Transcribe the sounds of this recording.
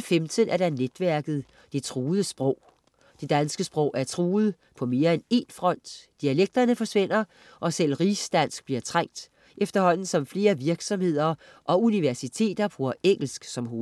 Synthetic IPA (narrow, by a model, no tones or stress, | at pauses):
femd̥ʰənæɐɾ̥ɑned̥ʋæɐɡ̥ð̞̩ˠ | d̥e̝t͡sʰʁuːð̩ˠəsb̥ʁɔʊ̰ | d̥e̝d̥ænsɡ̥əsb̥ʁɔ̽ʊ̰ʔæɐt͡sʰʁuːð̩ˠ | pʰɒ̽me̝ːɐene̝nfʁɒ̽n̰d̥d̥iæleɡ̥̚d̥ɐnəfɒ̽sʋe̝n̰ɐ | ʔɒ̽sel̰ʁisd̥æn̰sɡ̥̚b̥liɐt͡sʰʁaŋ̰d̥ | ʔefd̥ɐhɒ̽n̰n̩sɒ̽mfle̝ːɐʋiɐɡ̥sɒ̽mhe̝ð̞̰ˠɐ | ʔɒ̽uniʋæɐsit͡sʰe̝̰ːd̥ɐb̥ʁuːɐeŋ̰l̩sɡ̥sɒ̽mɦoː